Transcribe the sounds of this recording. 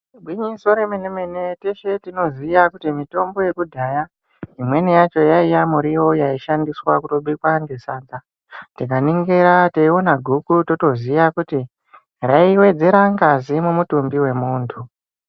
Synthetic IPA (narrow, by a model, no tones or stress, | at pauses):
bʱwiɲiso̞ɾemenemeneteʃe̞tino̞zijakutimito̞mbo̞je̞kudʱaja | imwe̞nejat͡ʃo̞jaijamuɾijo̞jaiʃandiswakuroɓikwaŋɡesaːd͡za | tikaniŋɡeɾateio̞naɡʱukuto̞to̞zijakuti | raiwe̞d͡ze̞ɾaŋɡazimumutumbiwe̞muːntʰu